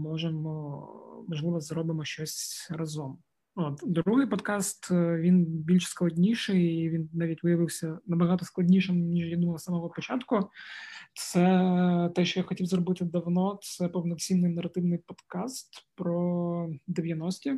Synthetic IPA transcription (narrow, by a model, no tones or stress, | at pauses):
mɔʐɛmɔmɔʒlˠɪʋɐzɾɔbɨmɔʃt͡ʃɔsʲrɐzɔm | ot̪d̪ɾuɦɪjpɔd̪kɑst̪ʋʲinbʲilʲʃsklˠɐdʲnʲijʂɪʋinnaʋʲitʲʋɨjɐʋɨwsʲɐnɐbɐɦɑt̪ɔsklˠɐdʲnʲijʃɪmnʲiʐjad̪umɐlˠsamɔɦɔpɔt͡ʃat̪kʊ | t̪sɛt̪ɛʃt͡ʃɔjaxɔtʲiwzrɔbɪt̪ɨd̪ɐʋnɔt̪sɛpɔwnɔkt͡sʲimnɨjnɐɾɐt̪ɪʋnɪjpɔd̪kast̪pɾɔd̪eʋʲjɐnɔsʲtʲɪ